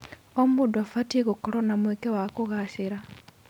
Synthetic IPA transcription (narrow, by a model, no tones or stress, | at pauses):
omuduafatiɣokoɾonamwekewakuɣaʃiɾa